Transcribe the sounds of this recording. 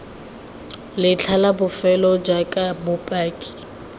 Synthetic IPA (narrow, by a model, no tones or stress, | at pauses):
lɪt͡ɬʰalabʊfɛlɔd͡ʒakʼabʊpʼaːkʼi̥